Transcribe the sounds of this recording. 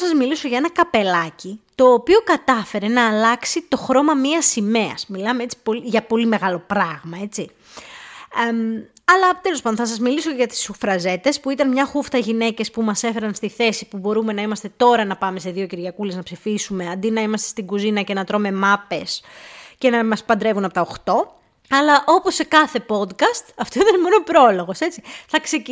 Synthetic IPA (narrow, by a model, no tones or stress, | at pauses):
sɐzmiliso̞ʝɐenɐkɐpe̞lɐcit̪o̞ːpio̞kɐt̪ɐfe̞ɾe̞nɐːlɐksit̪o̞xɾo̞mɐmiɐsime̞ɐ̰smilɐmee̞t͡si̥po̞liʝɐpo̞lime̞ɣɐlo̞pɾɐɣmɐe̞t͡si | ɐlɐt̪elos̬pɐnd̪onθɐsɐzmilisoceʝɐt̪i̥sufɾɐze̞t̪e̞spuit̪ɐnmɲɐxuft̪ɐʝine̞ce̞spumɐse̞fe̞ɾɐnst̪iθe̞sipubo̞ɾume̞nɐimɐst̪e̞t̪o̞ɾɐnɐpɐme̞se̞ðio̞ciɾʝɐkuleznɐpsifisume̞ɐnd̪inɐimɐst̪e̞st̪iɡuzinɐce̞nɐt̪ɾo̞me̞mɐpe̞sce̞nɐmɐspɐnd̪ɾe̞vunɐpo̞t̪ɐoxt̪o̞ | ɐlɐʔo̞po̞sːe̞kɐθe̞po̞d̪kɐst̪ɐft̪oit̪ɐnmo̞nopɾo̞lo̞ɣo̞se̞t͡siθɐkse̞c